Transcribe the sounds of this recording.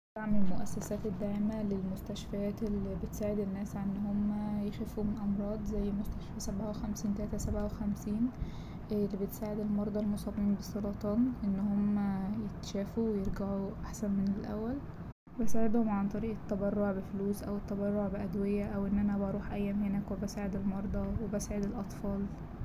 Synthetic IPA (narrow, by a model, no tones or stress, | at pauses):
aʕmelmoʔæsːæsæːt̪ed̪ːaʕmælelmost̪æʃfæjæːt̪elːibet̪saːʕed̪enːæːsʕanːhomːæjexefumenʔɑmɾˤɑːd̪ˤzæjːmost̪æʃfæsæbʕawexæmsiːnt̪ælæːt̪æsæbʕawexæmsiːn | lːibet̪saːʕed̪elmɑɾˤd̪ˤɑlmosˤɑbiːmbesˤːɑlɑt̪ˤɑːnʔenːhomːæjet̪ʃæːfuwejeɾɡaʕuʔaħsænmenelʔæ̰wːæl | bæsaːʕed̪homʕant̪ˤɑɾiːʔet̪ːæbɑrˤːoʕbefluːsʔæwet̪ːæbɑrˤːoʕbeʔæd̪wejæʔæwʔenːʔænæbɑɾˤuːħʔæjːæːmhenækwebæsaːʕed̪elmɑɾˤd̪ˤɑwebæsaːʕed̪elʔɑt̪ˤfɑːl